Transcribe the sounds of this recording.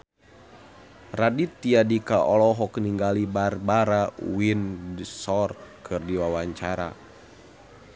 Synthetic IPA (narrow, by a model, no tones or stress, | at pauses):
radit̪iadikaʔɔlɔɦɔkniŋɡalibarbaɾawindsɔrt̪̚kʰɨrdiwawaɲt͡ʃaɾa̰